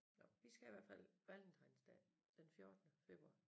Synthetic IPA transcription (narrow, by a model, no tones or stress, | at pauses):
nɒʋisɡ̥æiʋæɐfæl̰ʋæld̥n̩t͡sʰʁɑ̈ɪnsd̥ɛ̰ːd̥enfjo̝ɐd̥ənəfe̝b̥ʁuɑ̰̈